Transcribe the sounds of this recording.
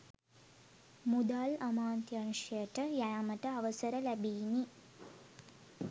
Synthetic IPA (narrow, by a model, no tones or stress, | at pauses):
mud̪aːlɐmaːnt̪jɐnʂjɐjəʈəjajaməʈəɐʋəsəɾəlæbiːni